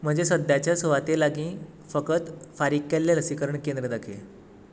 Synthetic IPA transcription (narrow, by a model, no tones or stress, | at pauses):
m̤əɳd͡zesəd̪jat͡ɕjasoʋat̪elaɡĩː | fəkət̪faɾik̚kelːeləsikəɾəɳkẽnd̪ɾəd̪akʰḛ